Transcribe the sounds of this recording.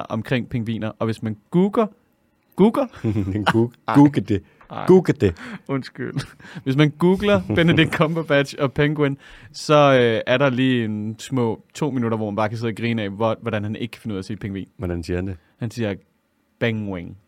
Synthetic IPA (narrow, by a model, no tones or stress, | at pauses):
ʔɒ̽mkʰʁeŋ̰pʰeŋʋḭːnɐʔɒ̽ʋe̝smænɡ̥uːɡ̥ɐ | ɡ̥uːɡ̥ɐɡ̥uɡ̥əd̥e | ɡ̥uːɡ̥əd̥eɔnsɡ̥y̰lʋe̝smænɡ̥uːɡ̥lɐ̥enədiɡ̚kʰɒ̽mb̥ob̥æd̥ɕɒ̽pʰeŋɡ̥wensɒ̽øæɐɾɑ̈liːensmɔ̰̽ːt͡sʰo̝̰ːminuɾɐʋɒmænb̥ɑ̈ːkʰæse̝ð̰ˠɐɡ̥ʁiːnɛɪʋɒd̥ænhæne̝ɡ̥̚kʰæ̥fe̝nuð̰ˠɐsḛːpʰeŋʋḭːnʋɒd̥ænsiɐhænd̥e | hænsiːɐ | b̥æŋweŋ